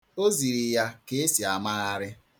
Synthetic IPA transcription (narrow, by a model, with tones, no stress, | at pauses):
o˦zi˨ɾi˨ja˦ke˦e˦si˨a˨ma˦ɣa˦ɾɪ˦